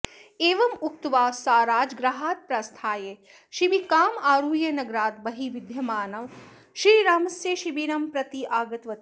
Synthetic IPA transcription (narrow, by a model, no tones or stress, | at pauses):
eːʋɐmuk̚t̪ʋaːsaːɾaːd͡ʒɡɾɐɦaːt̪̚pɾɐst̪ʰaːjeː | ʃibikaːmaːɾuːjenɐɡɾaːt̪bɐɦiʋid̪ʱjɐmaːnɐʋ | ʃɾiːɾaːmɐsjeʃibinɐmpɾɐt̪iʔaːɡɐt̪ʋɐt̪i